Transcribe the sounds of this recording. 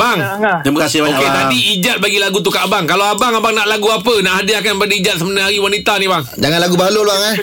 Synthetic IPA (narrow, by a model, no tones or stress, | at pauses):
baŋ | t̪ɾimakasɪhbaoket̪adiid͡ʒat̪̚baɡilaɡut̪̬ukaʔbaŋkalaabaŋabaŋnaʔlaɡuapənaʔɦadɪakanbadiid͡ʒat̪̚səmənaɦaɾiwanit̪anibaŋd͡ʒaŋanlaɡubaɦloluaŋa